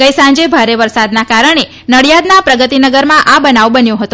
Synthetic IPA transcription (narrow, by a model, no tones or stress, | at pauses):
ɡəjsãɲd͡ʒebʱaɾeʋəɾsad̪nakaɾəɳ̃e | nəɽjad̪napɾəɡət̪inəɡəɾmãʔabənaʋbənjõɦət̪o